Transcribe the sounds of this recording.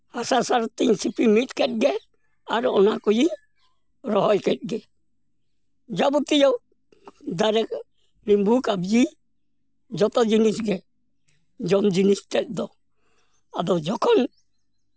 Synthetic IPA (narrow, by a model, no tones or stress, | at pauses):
hasasaɾt̪iɲsipimit̪̚kɛt̪̚ˀɡɛ | aɾɔnakuji | ɾɔɦɔjkɛt̪̚ˀɡɛ | d͡ʒabut̪ijɔw | d̪aɾɛk̚ | nimbukabd͡ʒi | d͡ʒɔt̪ɔd͡ʒinisɡɛ | d͡ʒɔmd͡ʒinist̪ɛt̪̚d̪ɔ | ad̪ɔd͡ʒɔkʰɔn